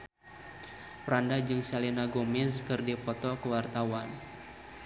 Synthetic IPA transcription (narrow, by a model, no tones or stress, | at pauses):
pəɾandad͡ʒɨŋsalinaɡomɪskɨrdipɔt̪ɔkəwart̪awan